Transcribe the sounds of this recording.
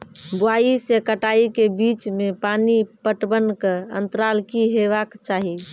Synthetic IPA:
ɡoaisekəʈaikebit͡ʃmepanipəʈbənkeə̰nt̪ɾalkiɦebakt͡ʃaɦi

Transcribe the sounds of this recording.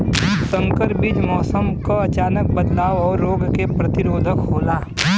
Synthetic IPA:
sə̃ŋkəɾbɪd͡ʒmɔːsəmkoɐt͡ʃaːnək̚bəd̪laːwɔːɾːoːɡkepɾɐt̪ɪɾoːd̪ʱəkɦoːlaː

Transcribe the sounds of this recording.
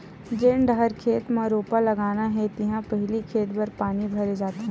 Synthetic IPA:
d͡ʒeːɳɖɐɦəɾkʰeːt̪maɾoːpalɐɡaːnaɦɛt̪ɪɦãpɐɦlikʰeːt̪bɐɾpaːnibʱɐɾed͡ʒaːt̪eɦɛ̃ː

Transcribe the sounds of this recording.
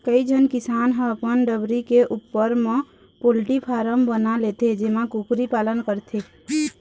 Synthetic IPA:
kəid͡ʒʱənkisanɦə̃əpənɖəbɾikeʔupːəɾme | polʈipʰaɾəmbənalet̪ed͡ʒemakukɾipalənkəɾt̪ʰe

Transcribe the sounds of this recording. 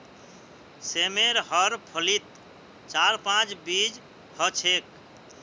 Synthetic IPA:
semeɾɦəɾpʰəlit̪ | t͡ʃaɾpãt͡ʃbid͡ʒ | hət͡ʃʰek

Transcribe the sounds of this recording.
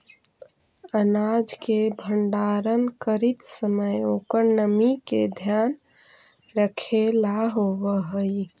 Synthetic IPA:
ənad͡ʒkebʱəɳɖaɾənkəɾit̪səməjokəɾnəmiked̪ʱjan | ɾəkʰelaɦoʋəɦəj

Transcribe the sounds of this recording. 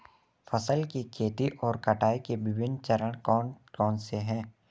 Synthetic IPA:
fʰəsəlkikʰeːt̪iʔɔːɾkɐʈʰaːikebɪbɪnt͡ʃəɾəɽ̃kɔːnkɔːnseɦɛ̃ː

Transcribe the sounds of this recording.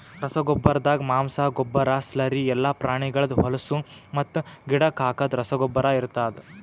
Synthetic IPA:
ɾɐsɐɡɔbːɐɾd̪aːɡɐmaːmsaːɡɔbːɐɾaːslɐɾiɛlːaːpɾaːɳ̃iɡɐɭɐd̪ɦɔlɐsumɐt̪ːuɡiɽɐkaːkɐd̪ɾɐsɐɡɔbːɐɾaiɾt̪aːd̪e

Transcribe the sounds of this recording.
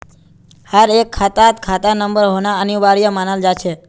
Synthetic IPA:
həɾekʰːat̪at̪kʰat̪anəmbəɾɦonaəniʋaɾijamanəld͡ʒat͡ʃʰe

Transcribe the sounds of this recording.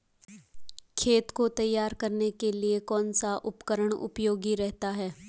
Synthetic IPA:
kʰeːt̪kot̪ɐjːaːɾkɐɾnekeliekɔːnsaʔʊpkəɾəɽ̃ʊ̰pjoːɡiɾɛɦt̪aɦɛː

